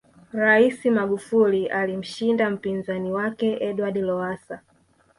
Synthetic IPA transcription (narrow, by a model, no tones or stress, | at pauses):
ɾaisimaɠufuliʔalim̩ʃindam̩pinzaniwakɛɛɗwaɗilɔasa